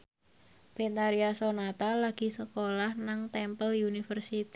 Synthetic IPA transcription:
b̥ent̪aɾiasonat̪alaɡ̥i̤səkolahnaŋt̪ɛmpəlunifərsit̪i

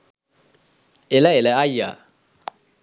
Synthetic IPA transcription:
ɛlaɛlɛaja

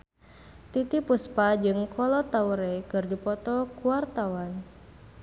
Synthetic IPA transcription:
t̪it̪ipuspad͡ʒɨŋkʰɔlɔt̪auɾɛkɨrdupɔt̪ɔkuart̪awan

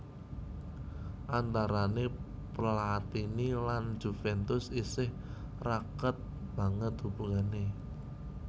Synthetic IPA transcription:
ʔant̪aɾaneplat̪inilan̥d͡ʒ̥ṳfɛnt̪ʊsisɪh | rakət̪̚ | b̥ä̤ŋət̪̚dṳbuŋane

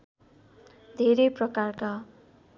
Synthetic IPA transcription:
d̪ʱeɾeprʌkarka

